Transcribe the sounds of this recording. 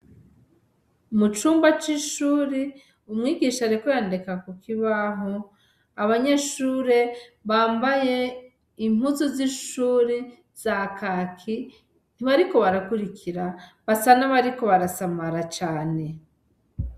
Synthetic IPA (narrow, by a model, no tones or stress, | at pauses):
mut͡ʃuːmbat͡ʃiʃuːɾe | umŋiːɡiːʃaɾekojaːndekakukiβaɦo | aβaɲe̞ʃuːɾe̞βaːmbaje̞ | imhuzoziʃuːɾe | z̥akakʰi | n̥iβaɾiko̞βaɾakuɾikʰiɾaβasanaβaɾiko̞βaɾasamaɾat͡ʃaːne̞